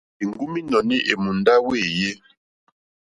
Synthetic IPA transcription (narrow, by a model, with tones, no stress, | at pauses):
i˨ŋɡu˦mi˦nɔ˨ni˦ʔe˨mu˨nda˦we˦˨je˦